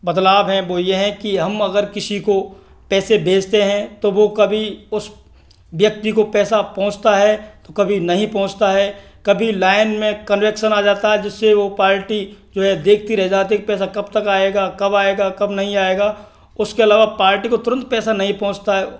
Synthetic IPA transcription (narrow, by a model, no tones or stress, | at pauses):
bɐd̪laːbɦɛ̃ʋojeɦɛ̃kiɦɐmɐɡəɾkɪsiko | pɛːsebʱeːd͡ʒt̪eɦɛ̃t̪oʋokɐbʱiʊs | ʋjɐk̚t̪ikopɛːsapɔ̃ɦʊ̃t͡ʃt̪aɦɛt̪okɐbʱinɐɦĩpɔ̃ɦʊ̃t͡ʃt̪aɦɛ | kɐbʱilaːɪnmẽkɐnʋekʃənaːd͡ʒaːt̪aɦɛd͡ʒɪsːeʋopaːɾʈid͡ʒoːɦɛd̪eːk̚ʰt̪iɾɛɦed͡ʒaːt̪ɪek̚pɛːs̬akɐbt̪ɐkaːeɡakɐbaːeɡakɐbnɐɦĩaːeːɡaː | ʊskeɐlaːʋapaːɾʈikot̪ʊɾə̃nt̪̚pɛːsanɐɦĩpɔ̃ɦʊ̃t͡ʃt̪aɦɛ